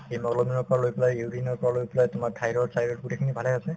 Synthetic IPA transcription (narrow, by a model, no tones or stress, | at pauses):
ejmɔɡlɔminɔɹpɔalojplajjudinɔɹpɔalojplajtʊmaɹtʰajɾɔsajɾɔʈkuʈekʰinibʱalɛasɛ